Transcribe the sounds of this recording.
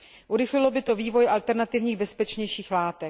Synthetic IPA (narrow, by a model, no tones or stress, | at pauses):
ʔuɾɪxlɪlo̞bɪt̪o̞viːvo̞jʔalt̪ɛɾnat̪ɪvɲiːɣbɛspɛt͡ʃɲɛjʃiːxlaːt̪ɛ